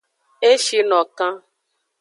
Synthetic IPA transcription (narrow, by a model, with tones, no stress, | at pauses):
e˦ʃi˦nɔ˨kã˦